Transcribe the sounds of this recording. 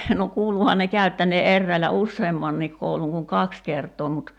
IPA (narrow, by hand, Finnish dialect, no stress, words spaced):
no kuːluhɑn ne kæy̞tːæneː ʔerːæilæ usːeːmːɑnːiːk kouluŋ kuŋ kɑks kertˑoː mut